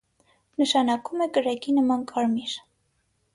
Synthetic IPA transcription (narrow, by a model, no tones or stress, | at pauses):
nəʃɑnɑkumɛkəɾɑkinəmɑnkʰɑɾmiɾ